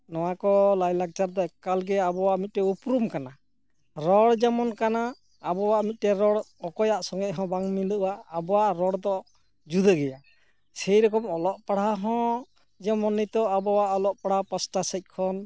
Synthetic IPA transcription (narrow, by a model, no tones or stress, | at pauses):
nɔwakɔlajlaɡ̚t͡ʃaɾd̪ɔɛkkːalɡɛabɔwaʔmit̪̚ˀɾɛupɾumkana | ɾɔɽd͡ʒamɔnkanaː | bɔwaʔmit̪̚ʈɛɾɔɽ | ɔkɔjaʔsɔŋɡɛʔɦɔ̃baŋmiləʔwaːbɔwaʔɾɔɽd̪ɔ | d͡ʒud̪əɡɛja | sɛjɾɔkɔmɔlɔʔpaɽaɦɔ̃ | d͡ʒɔmɔnit̪ɔabɔwaʔɔlɔʔpaɽ̤apasʈasəc̪̚ˀkʰɔn